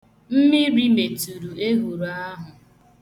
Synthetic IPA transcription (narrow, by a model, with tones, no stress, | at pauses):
m̩˦mɪ˦ɾi˦me˨tu˨ɾu˨e˦ɦu˨ɾa˦ɦʊ˨